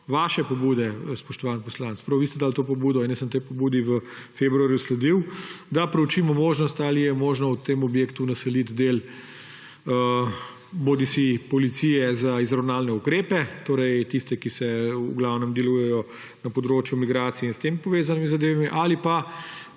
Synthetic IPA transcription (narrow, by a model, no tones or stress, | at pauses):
ʋaːʃɛpɔbuːd̪ɛspɔʃt̪ɔʋaːnpɔslant̪spɾawʋist̪ɛd̪aːlt̪oːpɔbuːd̪ɔinɛsəmt̪ejpɔbuːd̪iʋə | febɾuaːɾjuslɛd̪iwd̪apɾɛwt͡ʃiːmɔmoːʒnɔst̪alijɛmoːʒnɔut̪eːmɔbjeːkt̪unɐsɛlit̪d̪eːl | ə | boːd̪isipɔlit̪siːjɛzaizɾawnaːlnɛukɾeːpɛt̪oːɾɛjt̪ist̪ɛkisɛṵɡlawnɛmd̪ɛlujɛjɔ | nɐpɔd̪ɾoːt͡ʃjumiɡɾaːt̪sijɛinst̪empɔʋeːzanimizɐd̪eːʋamiʔalipa